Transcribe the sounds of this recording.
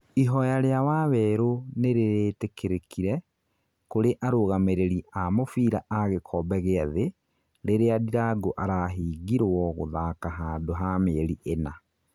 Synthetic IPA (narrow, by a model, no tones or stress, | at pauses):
iɦɔjaɾeawaβɛɾoneɾeɾeːtekeɾekʰiɾɛ | koɾeʔaɾoɣameɾeɾiamofiːɾaʔaɣekʰɔbɛɣeaðe | ɾeɾeadiɾaɡoʔaɾaːɦiːɡiɾwɔɣo̰ðaːkaɦaːndoɦaːmeːɾiʔena